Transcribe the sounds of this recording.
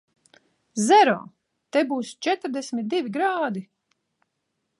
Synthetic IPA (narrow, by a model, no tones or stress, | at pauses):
zɛɾɔ̰ː | t̪ɛbuːst͡ʃɛt̪ɾd̪ɛsmʲit̪̚d̪ivʲiɡɾaːd̪i